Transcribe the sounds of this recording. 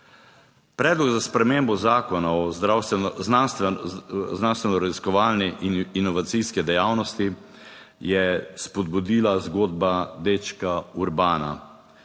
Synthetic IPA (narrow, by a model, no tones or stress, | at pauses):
pɾɛːd̪lɔɡzaspɾɛmembɔzaːkɔnaɔzɾawsans | znanst̪ʋɛnɔɾaziskɔʋaːlnɛʔninɔʋat̪siskɛd̪ɛjaːwnɔst̪i | jɛspɔd̪̚bud̪iːlazɡoːd̪bad̪et͡ʃkauɾbaːna̰